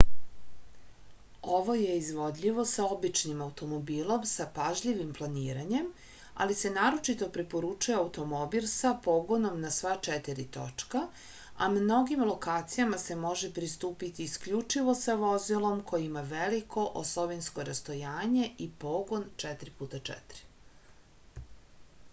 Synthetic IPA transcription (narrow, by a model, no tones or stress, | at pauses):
o̞ʋo̞je̞izʋo̞d̪ʎiʋo̞sao̞bit͡ʃnimawt̪o̞mo̞biːlˠo̞msapaʒʎiʋimplˠaniːɾaɲe̞m | a̰lise̞naːɾo̞t͡ʃit̪o̞pɾipo̞ɾut͡ʃujeaut̪o̞mo̞bilˠsapo̞ɡo̞no̞mnasʋat͡ʃet̪iɾit̪o̞̰t͡ʃka | amno̞ɡimlo̞kaːt̪sijamase̞mo̞ʒepɾist̪uːpit̪iːskʎut͡ʃiʋo̞saʋo̞zilˠo̞mkʰo̞jimaʋelikʰo̞ʔo̰slˠoʋinskoɾast̪o̞jaːɲe̞ipo̞ɡont͡ʃɛt̪ɾipuːt̪at͡ʃɛ̰t̪ɾi̥